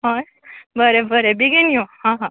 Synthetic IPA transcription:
ɦoj | bəɾebəɾebiɡinijõhãɦã

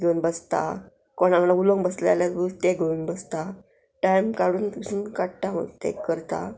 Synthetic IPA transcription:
ɡʱeunbəst̪a̰ | kɔɽãŋnauloŋbəslealasbut̪eɡʱeunbəst̪a | ʈajmkaɽuːnt̪usunkaʈʈamə̰d̪t̪ḛkəɾt̪a̰

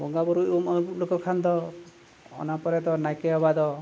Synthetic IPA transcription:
bɔŋɡabɔɾuumɔlokɔkʰand̪ɔ | ɔ̰napɔɾet̪ɔnajkeɔbad̪ɔ

